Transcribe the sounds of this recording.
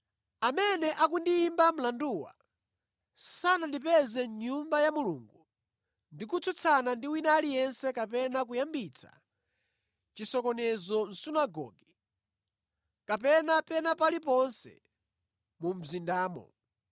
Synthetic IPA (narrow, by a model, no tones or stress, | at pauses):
amɛnɛʔak̬undiːmbam̩landuwa̰ | sanandipɛzɛɲumbajamulṵŋɡu | ndik̬ut͡sʰut͡sʰanandiwinaːlijɛnsɛkapɛnak̬ujambit͡sʰḁ̰ | t͡ʃisɔkɔnɛzɔn̩sunaɡɔ̰ːɡi | kapɛnapɛnapalipɔnsɛ̰ | mum̩zindaːmɔ̰